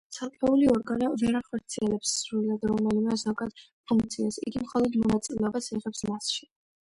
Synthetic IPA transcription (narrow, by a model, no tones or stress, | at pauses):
t̪sʰalˠkʼɛuliɔɾɡanɔvɛɾaχɔɾt̪sʰiɛlɛpsɾuilad̪ɾɔmɛlimɛzɔɡad̪̥ | pʰuŋk̚t̪sʰiasḭɡimχɔlˠɔd̪mɔnat̪sʼilɛɔbasɛʁɛpsmasʃi̥